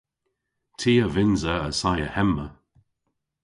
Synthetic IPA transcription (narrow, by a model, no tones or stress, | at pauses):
tʰiːəvɪnzəəsajəhɛmə